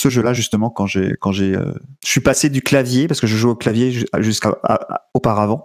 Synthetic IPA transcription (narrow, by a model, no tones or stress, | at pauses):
səʒəlaʒyst̪əmɑ̃kɑ̃ʒḛkɑ̃ʒeø̰əsɥipased̪yklavjepaʁsə̥kəʒəʒuoklavjeʒʒyskaa̰opaʁavɑ̃